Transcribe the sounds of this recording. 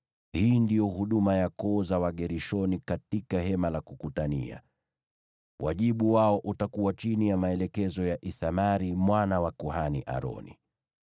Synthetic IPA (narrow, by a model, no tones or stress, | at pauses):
hiːndijɔhuɗumajakɔzawaɠɛɾiʃɔnikatikaɦɛmalakukutania̰ | wʔa̰ʄiɓuwaɔʔutakuwat͡ʃinijamaɛlɛkɛzɔjaʔiθamaɾimwanawakuɦaniʔa̰ɾɔ̰nḭ